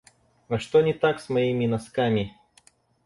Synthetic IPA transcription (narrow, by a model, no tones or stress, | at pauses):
ɐʂt̪onʲɪt̪aksmɐimʲɪnɐskamʲɪ